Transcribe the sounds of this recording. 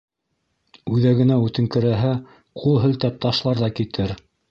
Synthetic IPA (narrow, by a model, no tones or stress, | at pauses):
ʉðæɡɘ̆næʉt̪ɘ̆ŋkɘ̆ɾæɦæ | qʰulˠɦɵ̆lt̪æp̚t̪ɑʃlˠɑɾðɑkit̪ʰɘɾ